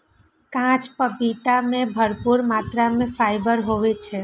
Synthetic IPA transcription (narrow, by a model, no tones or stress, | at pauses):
kãt͡ʃpəpit̪amẽbʱəɾpuɾmat̪ɾamẽfajbəɾɦoʋet͡ʃʰe